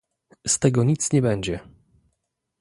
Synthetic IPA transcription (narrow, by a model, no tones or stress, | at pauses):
st̪ɛɡɔɲit̪sɲɛbɛɲd͡ʑɛ